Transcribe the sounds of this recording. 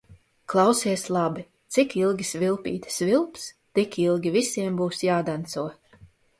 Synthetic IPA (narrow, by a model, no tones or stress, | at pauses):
klˠawsiɛslˠabi | t̪sikilˠɡʲisvilˠpḭːt̪svilˠpst̪ikilˠɡʲivisiɛmbuːsjaːd̪ant̪suɔ